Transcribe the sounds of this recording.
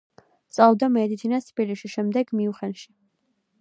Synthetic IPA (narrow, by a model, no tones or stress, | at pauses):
t̪sʼavd̪amɛd̪it̪sʰinast̪ʰbiliʃiʃɛmd̪ɛɡmiuχɛnʃi̥